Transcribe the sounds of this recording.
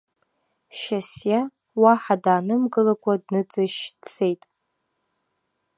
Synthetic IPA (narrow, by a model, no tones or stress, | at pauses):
ʃasja | waħadaːnɨmɡɨlakʷʰʼadnɨd͡zʼɨʃt͡sʰe̞jtʼ